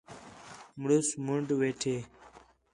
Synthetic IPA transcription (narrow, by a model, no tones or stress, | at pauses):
mɽusmuɳɖweːʈʰeː